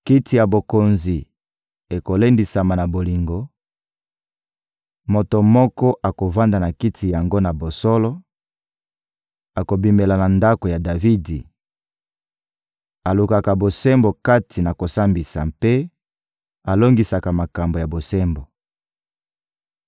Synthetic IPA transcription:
ki˦tʰi˨ja˨bo˨ko˨nzi˨ | e˨ko˨le˦ndi˨sa˨ma˨na˨bo˨li˨ŋɡo˨ | mo˨to˨mɔ˦kɔ˦ʔa˨ko˨va˦nda˨na˨ki˦tʰi˨ja˨ŋɡo˦na˨bo˨sɔ˦lɔ˦ | a˨ko˨bi˨me˨la˨na˨nda˦ko˨ja˨da˨vi˦di˨ | a˨lu˨ka˨ka˨bo˨sɛ˦mbo˨ka˦tʰi˨na˨ko˨sa˦mbi˨sa˨mpe˦ | a˨lo˦ŋɡi˨sa˨ka˨ma˨ka˨mbo˨ja˨bo˨sɛ˦mbo˨

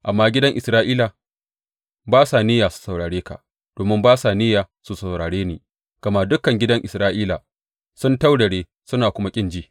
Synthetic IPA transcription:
ʔa˨mːaː˦ɡʲɪ˦dɐ˦ŋʔɪ˨sɾaː˦ʔiː˦la˨ | baː˦saː˨nɪ˦jaː˨su̥˨sa˨wɽaː˨ɽeː˦ka̰˨ʔ | d̥oː˨mɪ˦mbaː˦saː˨nɪ˦jaː˨ | su˨sa˨wɽaː˨ɽeː˦niː˨ | ɡ̥ɐ˨ma˦˨dʊ˦kɐ˨ŋɡʲɪ˦dɐ˦ŋʔɪ˨sɾaː˦ʔiː˦la˨ | sʊ˦nta˦wdɐ˨ɽeː˦ | sʊ˦naː˨kʷʊ˦ma˦kʲʼɪ˦nd͡ʒiː˦

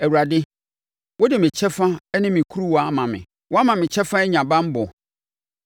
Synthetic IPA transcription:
æ˨wu˨ɾa˨dɪ˦ | wɔ˦dɪ˨mɪ̃˨t͡ɕʰɛ˦fã˦nɪ̃˦mɪ̃˨kʰu˦ɾu˦wa˦mã˨mɪ̰̃˨ | wɔ˦a˦mã˨mɪ̃˨t͡ɕʰɛ˦fã˦ɛ˦ɲã˨bã˦m̩˦bɔ˨

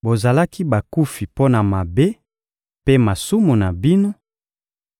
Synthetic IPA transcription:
bo˨za˨la˦ki˦ba˨ku˦fi˨po˦na˨ma˨be˦ | pe˦ma˨su˦mu˨na˨bi˦no˦

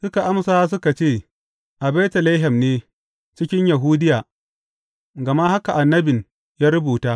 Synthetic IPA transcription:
sʊ˦ka˨ʔa˦msaː˦s̬ʊ˦ka˨t͡ʃeː˦˨ | ʔa˨bɛː˦tɐ˨la˦ɦɐ˨mneː˦ | t͡ʃɪ˦kʲɪ˦ɲja˨ɦuː˦dɪ˦jaː˨ | ɡɐ˨ma˦ha˦ka˨ʔa˨nːɐ˦bɪ˨n | jaː˦ɾʊ˦buː˨taː˦

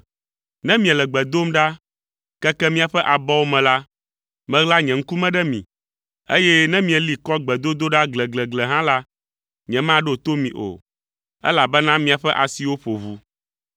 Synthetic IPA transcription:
nɛ̃˦mĩ˨ɛ˨lɛ˨ɡ͡bɛ˨d̪o˦mɖa˦ | kɛ˦kɛ˦mĩ˦a˨ɸɛ˦ʔa˨bɔ˦wo˦mɛ̃˨la˦ | mɛ̃˦ɣla˦ɲɛ̃˨ŋ̩˦ku˦mɛ̃˦ɖɛ˦mḭ̃˨ | e˦jɛ˦nɛ̃˦mĩ˨ɛ˨li˨kɔ˦ɡ͡bɛ˨d̪o˦d̪o˦ɖa˦ɡlɛ˨ɡlɛ˨ɡlɛ˨ɦã˦la˦ | ɲɛ̃˨mã˦ɖo˦˨t̪o˦mĩ˨ʔo̰˨ | ɛ̰˦la˨bɛ˦nã˦mĩ˨a˨ɸɛ˦ʔa˨si˦wo˦ɸo˨βu˨

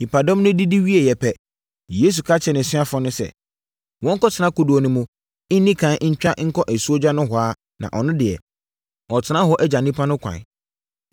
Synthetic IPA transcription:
hi˨pʰa˨dɔ̃˦mnʊ̃˦di˦di˦wi˦e˨jɛ˨pʰɛ˨ | jeː˨˦s̬u˨kʰa˦t͡ɕʰɛ˨nɪ̃˨sɪ̃˦a˦fɔ̃˦nʊ̃˦sɛ̰˨ | wɔ̃˦ŋ̩˦kɔ˦tʰɪ˨nã˦kʰʊ˨du˨o˨nʊ̃˨mũ˨ | ɪ˦nːĩ˦kʰã˨˦ɲ̩˦t͡ɕᶣa˦ŋ̩˦kʰɔ˦ʔæ˨su˦o˦d͡ʑᶣa˦nʊ̃˦ɦʊ˨aː˦ | nã̰˨ʔɔ˨nʊ̃˦dɪ˨ɛ̰˨ | ɔ˨tʰɪ˨nã˦ɦɔ˦ʔɛ˦d͡ʑa˨nĩ˦pʰa˦nʊ̃˦kʰʷã̰˨n

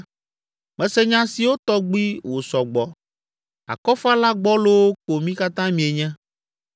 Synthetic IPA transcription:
mɛ̃˨˦sɛ˦ɲã˦si˨wo˦t̪ɔ˦ɡ͡bi˦wo˨sɔ˨ɡ͡bɔ˨ | a̰˨kɔ˦fa˦la˦ɡ͡bɔ˦lo˦wo˦ko˨mĩ˦ka˦t̪ã˦mĩ˨e˨ɲɛ̃˦

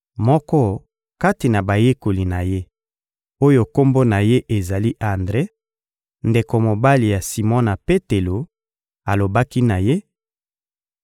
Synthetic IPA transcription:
mɔ˦kɔ˦ | ka˦ti˨na˨ba˨je˦ko˨li˨na˨je˦ | o˦jo˦ko˦mbo˦na˨je˦ʔe˨za˨li˦ʔa˨ndʁe˦ | nde˨ko˨mo˨ba˦li˨ja˨si˨mɔ˦na˨pe˦te˨lo˨ | a˨lo˨ba˦ki˦na˨je˦

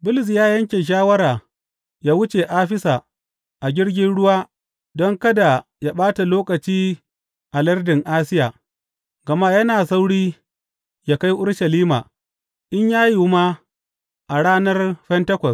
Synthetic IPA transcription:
bʊ˦lɪ˨s̬jaː˦jɐ˦ŋkʲe˨ʃ̬aː˦wɐ˦ɾaː˨ | jaː˦wʊ˦t͡ʃe˨ʔaː˦ɸɪ˦sa˨ | ʔa˨ɡʲɪ˦ɽɡʲɪ˦nɽʊ˦waː˦ | dɔ˦ŋkɐ˦da˨ja˦ɓaː˦ta˨loː˦kɐ˨t͡ʃiː˦ | ʔa˨lɐ˦rdɪ˨ŋʔaː˦sɪ˦jaː˨ | ɡɐ˨ma˦jɐ˦naː˨sa˦wɽiː˦ | ja˦ka˦jʔʊ˦ɽʃɐ˨liː˦ma̰ː˨ | ʔɪ˦ɲjaː˦ju˨ma˦ | ʔa˨ɽaː˦nɐ˦rɸɛ˦ntɐ˦kʷɔ˨s

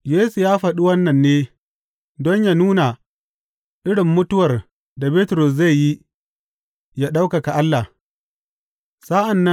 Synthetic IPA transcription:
jeː˦su˨jaː˦ɸɐ˨ɗu˦wɐ˦nːɐ˨nːeː˦ | dɔ˦ɲjaː˦˨nuː˦na˨ | ʔɪ˦ɽɪ˨mːʊ˦tʊ˦wɐ˨r | da˨be˦tʊ˨ɾʊ˨s̬za˦˨jji˦ | ja˦ɗa˦wka˨ka˨ʔa˦lːa˨ | sa˦ʔa˨nːɐ˦

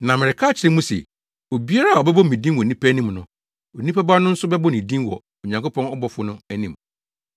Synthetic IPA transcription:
nã˨mɪ˨ɾɪ˨kʰa˦˨t͡ɕʰɪ˨ɾɪ̃˦mũ˦sɛ̰˨ | o˨bi˦a˦ɾa˦˨ɔ˨bɛ˦bɔ˦˨mĩ˨dĩ˦n˦wɔ˨nĩ˦pʰæ˦nĩ˦˨mnʊ̃˨ | o˨nĩ˦pʰæ˦ba˦nʊ̃˦n̩˦sʊ˦bɛ˦bɔ˦nĩ˨dĩ˦wɔ̰˨ | o˨ɲã˨ŋko˦pʰɔ̃˦nɔ˦bɔ˨fʊ˨˦nʊ̃˦æ˦nĩ˨m

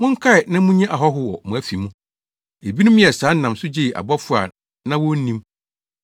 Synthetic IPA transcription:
mʊ̃˦ŋ̩˦kʰa˦ɪ˨nã˦mũ˦ɲɛ̃˦ʔa˨ɦɔ˦ɦʊ˦wɔ˨mʊ̃˨æ˦fi˨mũ˦ | e˨bi˦nũ˦mĩ˦ɛ˨saː˨˦n̩˦nã˨msʊ˦d͡ʑɪ˦˨a̰˨bɔ˦fʊ˦a̰˨ | nã˦wɔ˦n˦nĩ˦m

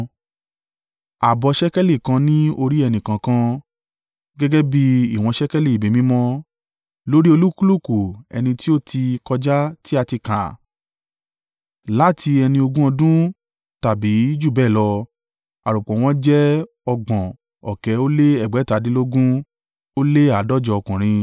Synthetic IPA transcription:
a˨bɔ˧ʃɛ˦kɛ˦le˦˨kã˧nĩ˦o˧ɾi˦ɛ˧nĩ˨kã˨kã˧ | ɡɛ˦ɡɛ˦bi˦i˦˨w̃ɔ̃˧ʃɛ˦kɛ˦le˦˨i˨be˨mĩ˨˦mɔ̃˦ | lo˦ɾi˦o˧lu˦ku˦lu˦˨ku˨ɛ̰˧nĩ˧ti˦o˦tʰi˧kɔ˧d͡ʒa˦ti˦a˧ti˧kã̰˨ | la˦tʰi˧ɛ˧nĩ˧o˧ɡũ˦ɔ̃˧dũ˦ | ta˨bi˨˦i˦d͡ʒu˦˨bɛː˦˨lɔ˧ | a̰˨ɾu˨k͡pɔ̃˨w̃ɔ̃˦d͡ʒɛ˦ | ɔ˧ɡ͡bɔ̃˨ | ɔ˨kɛ˨˦o˦le˦ɛ˦˨ɡ͡bɛ˨˦ta˨˦dĩ˦lo˦ɡũ˦ | o˦le˦a˨˦dɔ˦˨d͡ʒɔ˧ɔ˧kũ˨ɾ̃ĩ˧

